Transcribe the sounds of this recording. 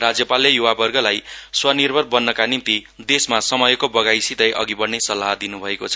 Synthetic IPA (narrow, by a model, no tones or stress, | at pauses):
rad͡zjʌpalːejuwabʌrɡʌlajswʌnirbʱʌrbʌnːʌkanimt̪id̪esmasʌmʌjkobʌɡajsid̪ʌjʔʌ̰ɡibʌrnːesʌlːaɦd̪inubʱʌekot͡sʰʌ